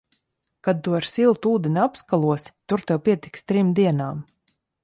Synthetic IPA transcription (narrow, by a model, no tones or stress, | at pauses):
kad̪̚t̪uaɾsilˠt̪uːd̪inʲapskalˠuɔst̪uɾt̪ɛwpiɛt̪ikst̪ɾimd̪iɛnaːm